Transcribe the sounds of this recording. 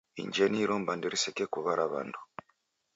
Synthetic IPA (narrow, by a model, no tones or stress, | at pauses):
ḭɲɟeniɾuːmbandiɾisekekuβaɾʔaβa̰ndʰu̥